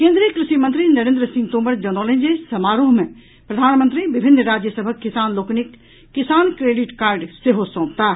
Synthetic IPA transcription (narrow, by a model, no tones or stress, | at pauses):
kẽːnd̪ɾijəkɾɪʃimə̃nt̪ɾinɐɾẽːnd̪ɾəsɪ̃ŋɡt̪oːməɾd͡ʒɐnoːlẽnd͡ʒesɐmaːɾuɦmẽ | pɾɐd̪ʱaːnmə̃nt̪ɾibɪbʱɪnːɾaːd͡ʒjəsəbʱəkːɪsaːnloːknɪkː | ɪsaːnkɾeːɖɪʈkaːɾɖseɦosõːpt̪aː